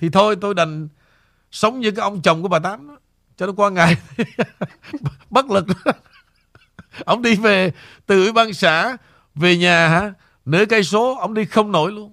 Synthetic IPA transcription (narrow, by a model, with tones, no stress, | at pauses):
t̪ʰi˨˩t̪ʰo˧jt̪o˧jɗə˨˩jŋ̟ | sə˨˦wŋ͡mɲɨ˧kaː˨˦jʔə˧wŋ͡mt͡ɕə˨˩wŋ͡mku˧˦ɓaː˨˩t̪aː˨˦n˨˦ | t͡ɕɔ˧ɗɔ˨˦jkwaː˧ŋa˨˩j | ɓə˦˥t̚lɨ˨˩k̚ | ʔə˧wŋ͡mɗi˧ve˨˩t̪ɨ˨˩wi˧˦ɓaː˧nsa̰ː˧˥ | ve˨˩ɲaː˨˩ɦaː˧˥˦ | nɨ̰˧˥˦kaː˨˦jso˨˦ʔə˧wŋ͡mɗi˧xə˧wŋ͡mno̰˧˩jlu˧ən